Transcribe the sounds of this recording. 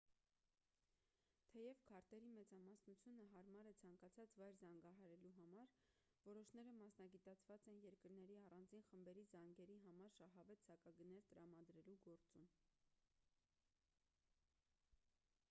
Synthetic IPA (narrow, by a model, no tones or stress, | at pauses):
t̪ʰɛjɛvkʰɑɾt̪ɛɾimɛt͡sɑmɑsnut͡sʰjunəɦɑɾmɑɾət͡sʰɑŋkɑt͡sʰɑt͡svɑjɾzɑŋɡɑɦɑɾɛluɦɑmɑɾ | vɔɾɔʃn̪ɛɾəmɑsnɑɡit̪ɑt͡sʰvɑt͡sɛnjɛɾkəɾn̪ɛɾiɑrɑnd͡zinχəmbɛɾizɑŋɡɛɾiɦɑmɑɾʃɑɦɑvɛt̪z̥ɑkɑɡənɛɾt̪əɾɑmɑd̪ɾɛluɡɔɾt͡sum